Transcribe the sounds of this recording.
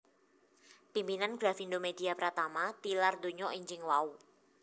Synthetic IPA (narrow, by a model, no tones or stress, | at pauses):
pimpinanɡɾafindomediapəɾat̪amat̪ilardoɲɔʔiɲd͡ʒɪŋwau